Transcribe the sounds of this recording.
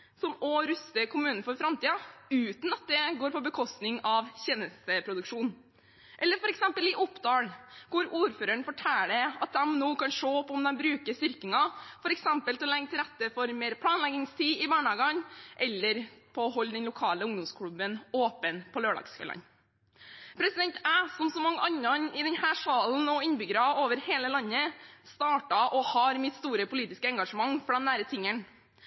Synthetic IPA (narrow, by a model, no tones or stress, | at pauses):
sɔmɔɾʉst̪əkʰʊmʉːnn̩fɔɾfɾɑmt̪iːɑʉːt̪nɑt̪̚d̪ɛɡoːɾpʰɔbəkʰɔst̪nɪŋɑʋçeːnəst̪əpʰɾʊd̪ʉkʂuːn | ʔɛlːəɾfɔɾɛksɛmpəlɪʔɔpd̪ɑːɽkʊɾuːɾføːɾəɳfɔʈʰæːləɑt̪̚d̪ɛmnoːkɑnʂoːpʰɔɔmd̪ɛmbɾʉːkəst̪ʏɾkɪŋɑfɔɾɛksɛmpəlt̪ɪɔlɛŋːt̪ʰɪlɾɛt̪ːəfɔɾmeːɾpʰlɑːnlɛɡɪŋst̪ʰiːɪbɑːɳɑɡɑŋʔɛlːəɾpʰɔɔɦɔlːd̪ɛnlʊkʰɑːləʊŋd̪ɔmskʰɽʉbənoːpənpʰɔløːɖɑ̰ksfḛːlɑ̰n | pʰɾɛsɪd̪ɛnt̪æːsɔmsɔmɑŋːəʔɑnːɑnɪd̪ɛnhæːʂɑːln̩ɔɪnbʏɡɾɑoːʋəɾheːləlɑnːəst̪ɑːʈɑʔɔhɑːɾmɪt̪st̪uːɾəpʊliːt̪ɪskəɛŋɡɑʂəmɑŋːfɔɖɛnæːɾət̪ʰɪŋːən